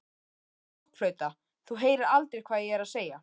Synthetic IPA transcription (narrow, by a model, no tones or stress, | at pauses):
ɔhkflœːɥt̪a | θuɦeːjɾɪɾalt̪ɾekʰvaːðjɛɛɾaðseːja